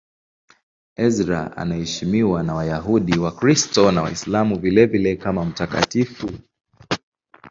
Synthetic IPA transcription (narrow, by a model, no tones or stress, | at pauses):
ɛzɾa̰a̰nahɛʃimiwanawajaɦuɗiwakɾistɔnawa̰islamuvilɛvilɛkamam̩taka̰tifu